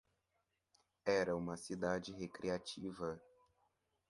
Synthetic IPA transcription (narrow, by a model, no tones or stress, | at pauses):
ɛɾɐũmɐsid̪ad͡ʒɪɦekɾiat͡ʃivɐ